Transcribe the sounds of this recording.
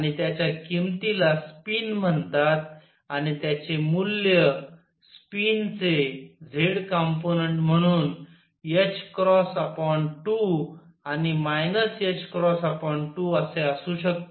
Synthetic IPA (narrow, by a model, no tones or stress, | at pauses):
añit̪jat͡ɕjakimt̪ilaspinm̤əɳt̪at̪̚ | añit̪jat͡ɕemuljə | spint͡sed͡zʱeɽkəmponəɳʈm̤əɽ̃uːn | et͡ɕkɾɔsəpɔɳʈu | animajnəset͡ɕkɾɔsəpɔɳʈuəseəsuːɕək̚t̪